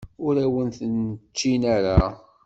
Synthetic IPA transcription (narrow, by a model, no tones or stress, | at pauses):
ʊɾæwənθnət͡ʃːinaɾa